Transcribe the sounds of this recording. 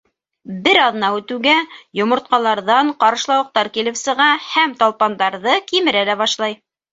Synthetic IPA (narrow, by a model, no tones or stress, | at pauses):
bɘɾɑðnɑʉt̪ʉwɡæjŏmŏɾt̪̚qɑlˠɑɾðɑɴqɑɾɤ̆ʃlˠɑwɤ̆q̚t̪ɑɾkilɘ̆wsɤ̆ʁɑhæmt̪ɑlˠpɑnd̪ɑɾðɤkimɘ̆ɾælæβɑʃlˠɑj